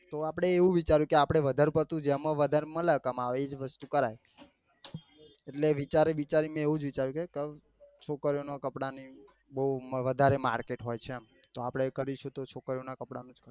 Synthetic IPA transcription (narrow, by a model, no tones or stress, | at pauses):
t̪oapɽ̃eːʋũʋit͡ʃaɾjũkeapɽ̃eʋəd̪ʱaɾupəɾt̪ũd͡ʒemə̃ʋəd̪ʱaɾemə̃lakamaʋeed͡ʒʋəst̪ukəɾaj | eʈleʋit͡ʃaɾiʋit͡ʃaɾimẽeʋũd͡ʒʋit͡ʃaɾjũkekə | t͡ʃʰokəɾijonakəpɽani | bəuʋəd̪ʱaɾemaɾkeʈɦojt͡ʃʰeamt̪oapɽɳekəɾiʃʰũt̪ot͡ʃʰokəɾjonakəpɽanũd͡ʒkəɾ